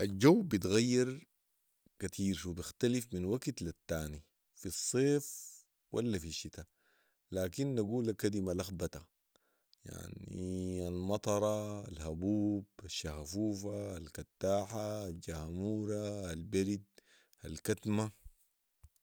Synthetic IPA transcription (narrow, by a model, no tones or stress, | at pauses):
ʔald͡ʒawːbit̪ɣajːiɾ | kat̪ʰiːɾʃubixt̪alifminwaɡt̪lat̪ːaːni | fisˤːeːf | wʔa̰lːafiʃːit̪a | laːkinːaɡuːlakad̪imalaxbat̪a | ja̰ʕnḭalmɑt̪ˤɑɾˤɑalhabuːb̥aʃːahafuːfaːlkat̪ːaːħaːld͡ʒahmuːɾaːlbaɾid̪̚ | alkat̪ma